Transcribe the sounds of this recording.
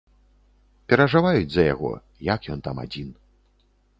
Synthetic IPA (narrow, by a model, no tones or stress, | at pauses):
pʲɛɾɐʐɨvajud͡zʲzɐja̰ɣɔ̰ | jakjɔnt̪ama̰d͡zʲin